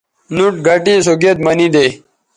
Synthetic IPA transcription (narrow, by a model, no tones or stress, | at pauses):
nuʈɡʱɐʈĩːsoɡet̪mɐnid̪e